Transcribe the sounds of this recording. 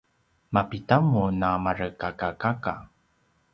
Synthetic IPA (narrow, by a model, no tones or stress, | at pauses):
mapitamunamaɾəkakakaka̰